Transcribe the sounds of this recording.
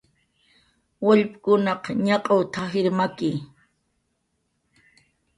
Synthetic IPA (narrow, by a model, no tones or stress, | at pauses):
waʎpkʊnɑqɲɑqʼawt̪ʰahɪɾmakɪ